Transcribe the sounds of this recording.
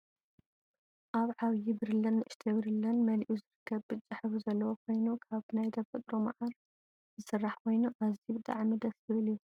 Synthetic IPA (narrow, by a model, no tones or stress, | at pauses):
ʔaβʕaβjibɨɾɨlɐnːɨʔɨʃt̪ʰɐβɨɾɨlːɐnmɐlʔuzɨɾɨkʰːɐβbɨt͡ʃʼaħβuzɐlːɐwokʰo̞jnukʰaβnajd̪ɐfɐt̪ʼɾoma̰ʕaɾ | zɨsɨrːaħkʰo̞jnuʔazibd̪ʼa̰ʕmid̪ɐsɨβɨlju